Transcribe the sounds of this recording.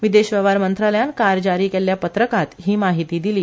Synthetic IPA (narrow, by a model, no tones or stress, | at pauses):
ʋid̪eɕʋəʋaɾmənt̪ɾaləjankaɾd͡ʑaɾiːkelːjapət̪ɾəkat̪ɦiːmaɦit̪iːd̪iliː